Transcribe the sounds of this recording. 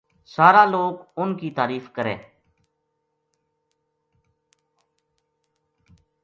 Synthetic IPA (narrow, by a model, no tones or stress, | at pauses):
saːɾaːloːkʊnkiːt̪aːɾiːfkəɾḛː